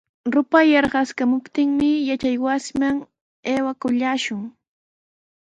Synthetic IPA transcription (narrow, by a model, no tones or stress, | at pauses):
ɾʊpajɑɾɢɑskamʊpt̪ɪŋmɪjat͡ʃajwasɪmaŋ | eːwakʊʎaːʃʊŋ